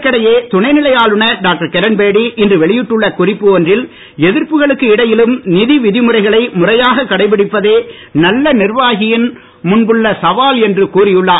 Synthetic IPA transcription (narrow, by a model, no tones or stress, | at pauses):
kːɐɽɐjeːt̪ʊɳɐɪnɪlɐjaːlɯɳɐɖaːk̚ʈɐɾkɛɾɐnbeːɽiʔɪndrɯʋɛɭɪjɪʈːɯɭːɐkʊrɪpːɯɔndrɪl | ɛðɪrpɯɣɐɭɯkːɯɪɽɐjɪlɯmnɪðiʋɪðɪmɯrɐɪɣɐɭɐɪmʊrɐjaːɣɐkːɐɽɐɪpːɪɽɪpːɐðeː | nɐlːɐnɪrʋaːɣɪjɪn | mʊnbɯɭːɐsɐʋaːlɛndrɯkuːrɪjɯɭːaː